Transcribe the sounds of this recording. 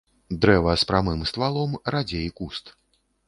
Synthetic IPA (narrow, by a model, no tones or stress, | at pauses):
d̪ɾɛvɐspɾamɨmst̪valˠɔmrad͡zʲejkust̪